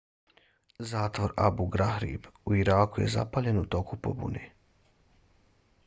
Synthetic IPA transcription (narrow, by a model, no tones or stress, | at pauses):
zaːt̪ʋoɾa̰buɡɾahɾḭbuiɾaːkujḛza̰paʎenut̪o̞kupo̰bṵne